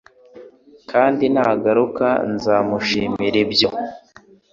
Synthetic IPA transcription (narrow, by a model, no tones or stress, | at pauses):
kʰaːndinaɡaɾuka̰nzaːmuʃiːmiɾebjo̞